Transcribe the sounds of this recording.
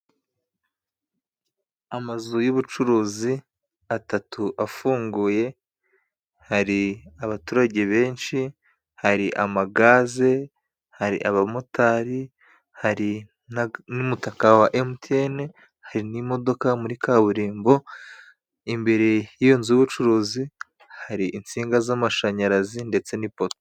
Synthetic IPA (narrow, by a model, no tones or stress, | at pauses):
amazujuβut͡ʃuɾuːzi | atatuʔafuːŋɡuːje̞ | haɾiaβatuːɾaɟe̞βe̞ːnʃi | haɾiʔamaɡaːze̞ | haɾḭʔaβamotʰaɾi | haɾi | nanumutakawaʔemten | haɾinimo̞do̞kamuɾikaβuɾiːmbo̞ | imbe̞ɾe̞jionziuβut͡ʃuɾuːzi | haɾiʔint͡siːŋɡazamaʃaɲaɾazinde̞t͡se̞nipoto̥